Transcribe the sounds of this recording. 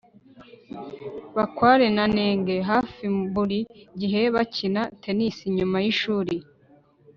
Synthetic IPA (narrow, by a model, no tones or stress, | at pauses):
βakwaːɾe̞naneːŋɡeɦaːfimbuɾiɟiɦe̞βacinatʰe̞nisiɲumajiʃuːɾi